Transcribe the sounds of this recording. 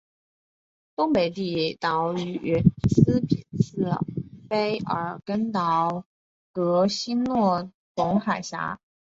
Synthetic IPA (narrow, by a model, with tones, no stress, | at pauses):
t̪ʊ˥ŋpe˨˩ɪt̪i˥˩t̪ɑ˧˥ʊy˧˥ɛ˧˥sɹ̩˥pʰi˨˩nsɹ̩˥˩pe˥ɪə̰˞˨˩˦kə˥nt̪ɑ˧˥ʊ | kɤ˧˥ɕi˥nnwɔ˥˩ | t̪ʊ˧˥ŋxa˨˩ɪɕja̰˧˥